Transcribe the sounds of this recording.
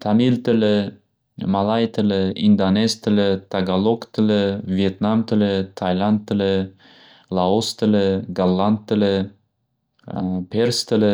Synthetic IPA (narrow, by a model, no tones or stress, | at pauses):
t̪ʰamilt̪ɪlɪ | malˠajt̪ʰɪlɪʔind̪anezt̪ʰɪlɪt̪ʰaɡalˠokt̪ʰɪlɪviet̪namt̪ʰɪlɪt̪ʰajland̪̚ːɪlɪ | lˠaost̪ɪlɪɡalˠːand̪̚ːɪlɪ | pʰeɾst̪ɪlɪ